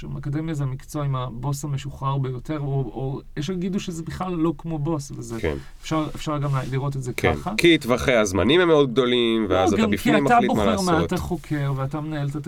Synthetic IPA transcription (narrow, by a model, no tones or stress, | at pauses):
amakode̞mjazeamikt͡soimabo̞sameʃuχaʁbejo̞te̞ʁoojeʃaɡid̪uʃezebiχlalːo̞kmo̞bo̞svezekḛn | fʃaʁefʃaʁaɡamleliʁo̞t̬etzeka̰nχakitvaχejazmanimemːeo̞d̪̚ɡ̚d̪o̞limveaztɡaambifeamatalitbomeʁmaat̪aχo̞kʰe̞ʁveatamenaeltat